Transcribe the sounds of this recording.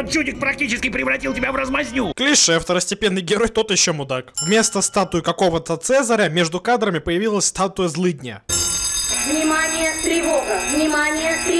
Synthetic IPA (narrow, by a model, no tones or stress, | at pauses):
ɐt͡ʃuɪk̚pɾɐk̚tʲit͡ɕɪskʲɪpɾʲɪvɾɐtʲilˠtʲɪbʲavrəzmɐzʲnʲuklʲiʂɛft̪əɾəsʲtʲɪpʲe̞nːɨjɡʲɪɾo̞jt̪o̞t̪jɪɕːomʊd̪akvʲmʲe̞st̪əst̪at̪ʊɪkɐko̞vət̪ət̪sɛzəɾʲəmʲe̞ʐd̪ʊkad̪ɾəmʲɪpəjɪvʲilˠəsʲst̪at̪ʊjəzlˠɨd̪ʲnʲə̰ | vnʲɪmanʲɪjət̪ɾʲɪvoɡəvnʲɪmanʲɪjət̪ɾʲɪ